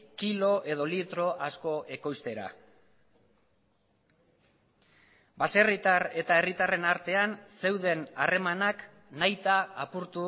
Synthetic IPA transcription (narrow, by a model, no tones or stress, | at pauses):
kilo̞ʔe̞ð̞o̞lit̪ɾo̞ʔasko̞ʔe̞ko̞jst̪e̞ɾa̰ | base̞rit̪are̞t̪aerit̪are̞naɾt̪e̞anse̞wðe̞nare̞manak | najt̪aːpuɾt̪u